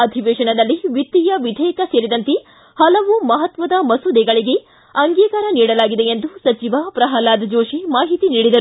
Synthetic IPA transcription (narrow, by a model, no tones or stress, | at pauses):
ɐd̪ʱiʋeːʂɐɳɐd̪ɐlːiʋit̪ːijɐʋid̪ʱɛjɐkɐseːɾid̪ɐnt̪e | hɐlɐʋumɐɦɐt̪ʋɐd̪ɐmɐsud̪ɛɡɐɭiɡe̞ | ɐŋɡiːkaːɾɐniːɽɐlaːɡid̪eend̪usɐt͡ʃiʋɐpɾɐɦɐlaːd̪ʱd͡ʒoːʂimaːɦit̪iniːɽid̪ɐɾu